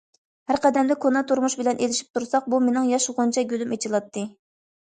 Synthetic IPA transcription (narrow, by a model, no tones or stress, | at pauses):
hæɾqɛd̪ɛmd̪ɛkʰonɑt̪ʰuɾmuʃbɪlɛnʔelɪʃi̥p̚t̪ʰuɾsɑq̚bumenɪŋjɑʃʁʊnt͡ʃʰɑɡʲølymet͡ʃʰilˠɑt̪ʰːɨ